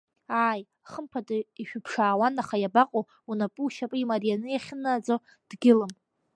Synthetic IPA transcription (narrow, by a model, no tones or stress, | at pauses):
aːj | χəmpʰadiʃᶣʊpʰʂaːwanaχajabaqʼo | unapʼuːʃapʼɨimarijanɨjaχʲɪnad͡zo | d̥ɡʲɪlɨm